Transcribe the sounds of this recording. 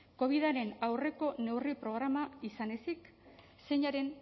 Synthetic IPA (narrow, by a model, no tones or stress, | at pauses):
ko̞β̞iðaɾe̞nawre̞ko̞ne̞wripɾo̞ɣ̞ɾamaisane̞sik | se̞ɲaɾe̞n